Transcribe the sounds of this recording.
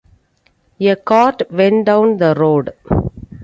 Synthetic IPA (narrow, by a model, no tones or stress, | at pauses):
jekɔːʈʋɛ̃ɳɖãʊ̃nd̪əɾoːɖ